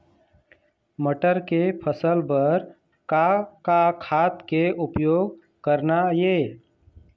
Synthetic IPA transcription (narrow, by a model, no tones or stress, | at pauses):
məʈəɾkepʰəsəlbəɾ | kakakʰat̪keupjoːɡ̚ | kəɾnaje